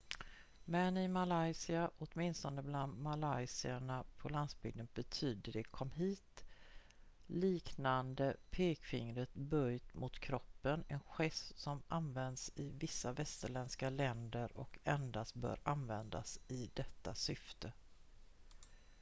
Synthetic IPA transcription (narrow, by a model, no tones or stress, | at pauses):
mɛnɪmalajsɪaʔɔt̪mɪnst̪ɔnəbland̪malajsɪaɳapʰɔland̪sbʏɡ̚d̪ənbɛt̪ʰyːd̪əɖɛkʰɔmːɦiːt̪ | liːknand̪əpʰeːkfɪŋɾət̪bœjt̪mʊt̪kʰɾɔpːənɛnɧɛssɔmʔanvɛnd̪sɪvɪsːavɛst̪əɭɛnskalɛnd̪əɾɔkɛnd̪ast̪bœ̰ːɾanvɛnd̪a̰sɪd̪ɛt̪ːasʏft̪ʰə